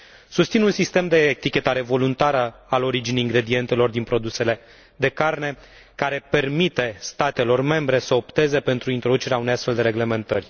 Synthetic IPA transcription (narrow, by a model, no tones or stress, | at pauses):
sust̪sinunsist̪e̞md̪e̞t̪ikʲe̞t̪aɾe̞vo̞lunt̪aɾəalo̞ɾid͡ʒineiŋɡɾe̞d̪ie̞nt̪e̞lo̞rd̪inpɾo̞d̪use̞le̞ | d̪e̞karne̞ | kaɾe̞pe̞rmit̪e̞st̪at̪e̞lo̞rme̞mbɾe̞səo̞pt̪e̞ze̞pe̞nt̪ɾuint̪ɾo̞d̪ut͡ʃe̞ɾeauneast̪fe̞ld̪eɾe̞ɡle̞me̞nt̪ərʲ